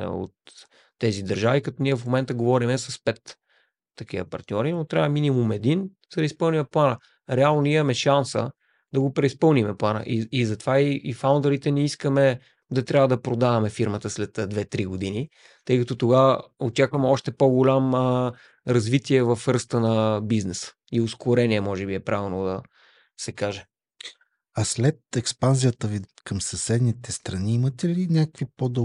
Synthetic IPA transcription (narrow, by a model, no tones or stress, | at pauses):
o̰t̪ː | ɛzid̪ɐɾʒavikɐt̪ɔniɛfmomɛnt̪əɡovɔɾimɛsɐspɛt̪ː | ɐk̟iə̰pɐ̰ɾt̪nʲɔɾinot̪ɾʲavɐminimumɛd̪in | z̥d̪ɐispɤlˠnimɛplˠanə | ɾɛalˠnonimɐmɛʃansə̰ | d̪ɐɡopɾɛispɤlˠnimɛplˠanə̰ʔiizɐt̪ovaiːfaʊnd̪oɾit̪ɛnɛiskəmɛ | d̪ɐt̪ɾʲavvəd̪ɐpɾod̪avɐmɛfiɾmət̪əslɛt̪d̪vɛt̪ɾiɡod̪ini | t̪ɤjkɐt̪ot̪oɡaot͡ʃakvɐmɛɔʃt̪ɛpoɡolʲam | ɾɐzvit̪iɛvɐfɾst̪ənɐbiznɛsə̥ | ioskoɾɛniɛmɔʒɛbiɛpɾʔavɛlˠnod̪ɐ | sɛkaʒɛ | ɐslɛt̪ɛkspanzijət̪əvikɐmsɐsɛd̪nit̪ɛst̪ɾɐniimət̪ɛlinʲak̚kvipod̪ɔ